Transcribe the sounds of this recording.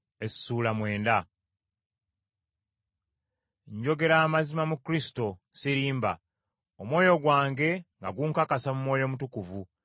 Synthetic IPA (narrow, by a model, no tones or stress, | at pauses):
esi̥suːlamwe̞ːnda | ɲɟo̞ɡe̞ɾaːmazimamukɾisi̥to̞siɾiːmba | omwo̞ːjo̞ɡwaːŋɡe̞ŋɡaɡuŋkakasamumwo̞ːjo̞mutukuvu